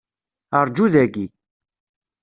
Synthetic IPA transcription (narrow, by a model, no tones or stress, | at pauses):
əɾˤd͡ʒuðæɡi